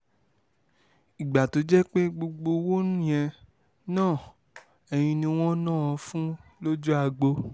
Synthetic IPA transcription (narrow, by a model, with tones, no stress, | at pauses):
i˨ɡ͡ba˨to˧d͡ʒɛ˦k͡pe˦ɡ͡bo˧ɡ͡bo˧wo˦nũ˦j̃ɛ̃˧ | nãː˦˨ | ɛ˧j̃ĩ˧nĩ˧w̃ɔ̃˦nãː˦˨ɔ̃˧fũ˦lo˦d͡ʒu˦a˧ɡ͡bo˧